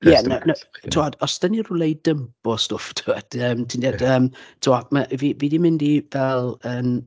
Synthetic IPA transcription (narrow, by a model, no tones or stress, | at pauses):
jɛnənəwtʰuadɔsd̥anirulˠejdəmpɔstʊftʰuad̥əːmtʰindiad̥əːmtʰuaməʔvividimɪndivɛlˠəm